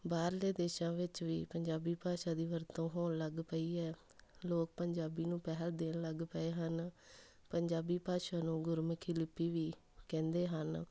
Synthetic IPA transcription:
baːɾleːd̪eːʃãːʋɪt͡ʃʋiːpəɲd͡ʒaːbiːpaːʃaːd̪iːʋəɾt̪õːɦoːnləɡpəiːɛː | loːk̚pəɲd͡ʒaːbiːnũːpɛɦəld̪eːnləɡpəeːɦən | pəɲd͡ʒaːbiːpaːʃaːnũːɡʊɾmkʰɪlɪpːiːʋiː | kɛ̃ːnd̪eːɦən

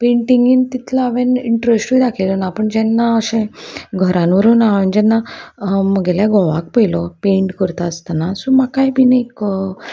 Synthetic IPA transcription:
peɳʈʈiŋɡiːnt̪it̪ʰlaːʋẽniɳʈɾesʈʋiːd̪akʰelunaːpəɳd͡ʑɛnːaəsẽɡʱəɾãnʋəɾuːnaʋend͡ʑɛnːaməɡɛljaɡɔʋa̰kpəjlɔpẽɳʈkəɾt̪aəst̪anasumakajbinəik

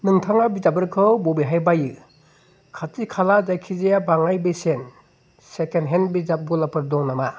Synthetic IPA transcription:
nɯŋtʰaŋabizabɯɾkʰɯwbɔbiɦajbajɯ | kʰatikʰalad͡ʒajkʰizejabaŋajbesen | sekenɦenbizap̚ɡɔlapʰɯɾdɔŋnama

